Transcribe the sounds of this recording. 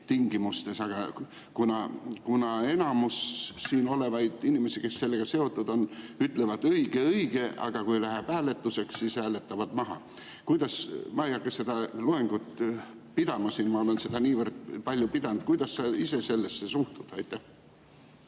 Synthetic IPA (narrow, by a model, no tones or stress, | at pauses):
t̪iŋɡimust̪e̞sɑɡ̥ɑ | kunɑkunɑe̞nɑmusːiːno̞le̞vɑjd̪̥inʲimesike̞sse̞lːeɡ̥ɑse̞o̞t̪ːˑud̪̥o̞nyt̪ˑlevɑd̪ɤjɡ̥eɤjɡ̥e̞ʔɑ̰ɡ̥ɑkujlæɦæbæːlet̪ːˑuse̞kssiːshæːle̞t̪ːˑɑvɑd̪mɑɦɑ̰ | kujd̪̥ɑsmɑejɑkːˑɑsse̞d̪ɑlueŋɡ̥ut̪ | pid̪̥ɑmɑsiːnmɑo̞le̞nse̞d̪̥ɑniːvərd̪̥̚pɑlʲjupid̪̥ɑnt̪̚kujd̪̥ɑsːɑise̞se̞lːesːesuht̪ud̪̥ɑjt̪ːˑæh